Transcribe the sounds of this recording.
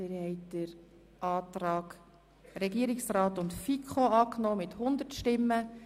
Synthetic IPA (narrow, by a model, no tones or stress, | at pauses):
ɪɾhɛɪd̥əɾ | ʔɑːtɾɑːɡ | ɾɛɡiəɾɪksɾɑːtʊntfikʰχoɑːknoːmɪthʊnd̪ətʃtɪmːə